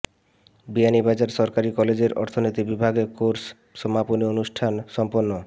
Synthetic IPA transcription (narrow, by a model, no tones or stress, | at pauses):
bianibad͡ʑaɾʃɔɾkaɾikɔled͡ʑeɾɔ̰ɾt̪ʰonit̪ibibʱaɡekoɾs | ʃɔmaponionuʃʈʰanʃɔmponːo